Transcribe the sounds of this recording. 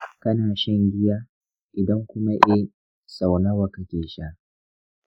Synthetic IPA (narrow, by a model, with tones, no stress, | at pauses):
kɐ˦naː˨ʃɛ˦ŋɡʲɪ˦jaː˦ | ʔɪ˨dɐ˦ŋkʷʊ˦ma˦ʔɛ˦ | sa˨wna˦wa˨kɐ˦kʲeː˨ʃaː˦ʔ